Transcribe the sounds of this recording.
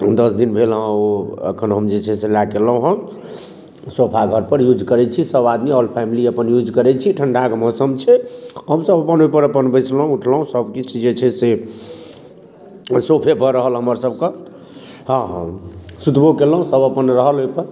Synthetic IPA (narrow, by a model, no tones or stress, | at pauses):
d̪əsd̪inbʱelɦə̃oə̰kʰənɦəmd͡ʒet͡ʃʰɛselakeləɦũɦə̃ | sopʰaɡʱəɾpəɾjud͡ʒkəɾɛt͡ʃʰisəbad̪miəlpʰamiliəpənjud͡ʒkəɾɛt͡ʃʰiʈʰəɳɖʱakmɔsəmt͡ʃʰɛɦəmsəbəpənɦojpəɾəpənbəɪt͡ʃʰləɦũuʈʰləɦũsəbkit͡ʃʰid͡ʒet͡ʃʰɛse | sopʰebʱəɾəɦəlɦəməɾsəb̚kə | ɦã | sut̪bʱokelɦũsəbəpənɾəɦəlɦojpəɾ